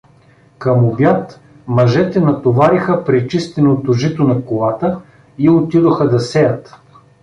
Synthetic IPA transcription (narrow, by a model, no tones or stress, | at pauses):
kɐmobjat̪ | mɐʒɛt̪ɛnɐt̪ovaɾixəpɾɛt͡ʃist̪ɛnot̪oʒit̪onɐkolˠat̪ə | iot̪id̪oxəd̪ɐsɛjɐt̪